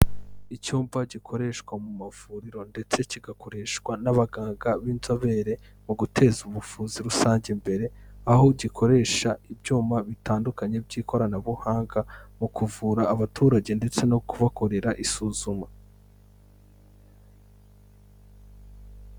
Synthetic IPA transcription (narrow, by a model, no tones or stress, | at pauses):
icuːmvaɟikʰo̞ɾe̞ʃwamumavuːɾiɾo̞nde̞t͡se̞ciɡako̞ɾe̞ːʃkwanaβaɡaːŋɡaβiːnzo̞βe̞ɾe̞ | muɡutʰe̞zuβufuːziɾusaːɲɟe̞mbe̞ɾe̞aho̞ɟikʰo̞ɾe̞ʃaibjɟuːmaβitaːndukaɲe̞bɟiːkʰo̞ɾanaβuhaːŋɡamukuvuːɾaːβatʰuːɾaɟe̞nde̞t͡se̞no̞kuβako̞ɾe̞ɾaʔisuːzuma